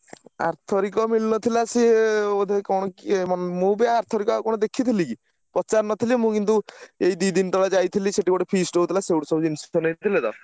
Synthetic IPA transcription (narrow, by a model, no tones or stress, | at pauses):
a̰ɾt̪ʰɔɾikɔmilnɔt̪ʰilaseod̪ʱekɔɽ̃ɔkimanemũbiaːɾt̪ʰɔɾikɔakɔɽ̃ɔd̪ekʰit̪ʰiliki | pɔt͡ʃaɾnɔt̪ʰilimũkint̪uejd̪id̪int̪ɔɭad͡ʒajt̪ʰiliseʈibɔɽepʰisʈoɦut̪ʰilasewɽusɔbud͡ʒinsɔnejt̪ʰiled̪ɔ̰